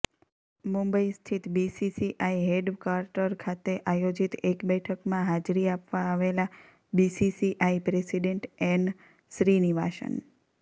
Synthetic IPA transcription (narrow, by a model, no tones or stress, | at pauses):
mumbəist̪ʰit̪bisisiʔaiɦeɖkaɾʈəɾkʰat̪eʔajod͡ʒit̪ekbɛʈʰəkmãɦad͡ʒɾiapʋãːʋela | bisisiʔaipɾesiɖeɳʈɛn | ʃɾiniʋa̰ʃə̰n